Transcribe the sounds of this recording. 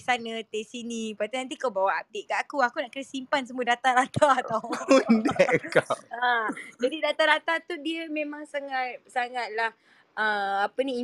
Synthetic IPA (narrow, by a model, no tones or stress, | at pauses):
sanət̪esinĩpat̪inãnt̪̬ikawbawaap̚det̪̚ɡaʔakuakunaʔkənasimpans̬əmuədat̪aɾat̪ʰaawundɛʔkaad͡ʒadidat̪aɾat̪at̪udiəmẽmãŋsaŋat̪̚saŋat̪̚lah | əmapənĩi